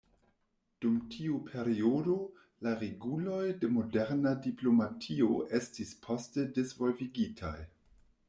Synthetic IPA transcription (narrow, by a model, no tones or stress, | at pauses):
d̥umtʰiupʰe̞ɾiodo̞ | laɾeɡulo̞jde̞mo̞de̞ɾnadiplo̞matʰio̞ʔe̞stispʰo̞ste̞dezvo̞lviɡitʰa̰j